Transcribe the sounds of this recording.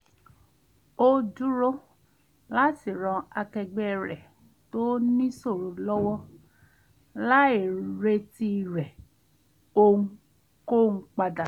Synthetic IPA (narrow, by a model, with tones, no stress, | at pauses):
o˧d͡ʒu˦ɾo˦ | la˦si˨ɾ̃ɔ̃˧a˧kɛ˧ɡ͡bɛ˦˧ɾɛ˨ | to˦nĩ˦so˦˨ɾo˨lɔ˦wɔ˦ | la˦i˨ɾe˧ti˧˨ɾɛ˨ | o˧˦ | ko˦˨ŋ̩˦k͡pa˧da˨